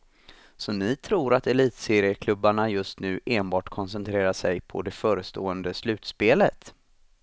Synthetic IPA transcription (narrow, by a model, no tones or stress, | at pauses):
sɔnɪt̪ʰɾuːɾat̪ɛliːt̪seːɾɪjəkʰlɵbːaɳajɵst̪nʉ̟ːʔeːnbɑːʈkʰɔnsɛnt̪ʰɾeːɾaʂɛjpʰɔ̰d̪ɛfœːɾəst̪oːənd̪əslʉ̟ːt̪speːlət̪